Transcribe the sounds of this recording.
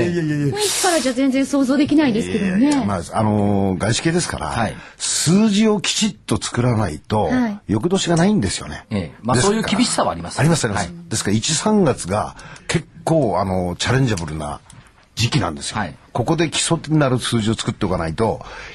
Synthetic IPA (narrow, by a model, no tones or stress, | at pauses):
ejejejeiki̥kaɾad͡ʑaːzẽnd͡zẽɰ̃so̞ːzoːd̪e̞kʲinaid̪esɨkedomnemasano̞ɡaiɕi̥keːd̪e̞sɨ̥ka̰ɾa̰ai | sɨːʑio̞kʲi̥t͡ɕit̪ːo̞t͡sɨ̥kɯ̟ɾanait̪o̞jo̞k̬ɯd̪o̞ːɕiɡanaĩnd̪e̞sɨjo̞̰ne̞̰mad̪esoːjɯːkʲibʲiɕi̥saβa̰ːɾʲimasaɾʲimasɨaɾimasd̪e̞sɨ̥kaɾait͡ɕisãŋɡat͡sɨɡa̰kʰe̞kːo̞ːano̞t͡ɕaɾẽ̞ɲ̟d͡ʑabɯ̟ɾɯ̟na̰ | d͡ʑikʲinã̰nd̪e̞sɨ̥jko̞ko̞d̪e̞kʲi̥so̞t̪inaɾɯ̟sɨːʑio̞t͡sɨ̥kɯ̟t̪ːe̞o̞kanait̪o̞